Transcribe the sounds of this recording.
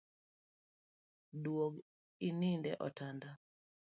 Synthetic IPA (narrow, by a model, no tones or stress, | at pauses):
dwoɡ | inindɛʔɔtanda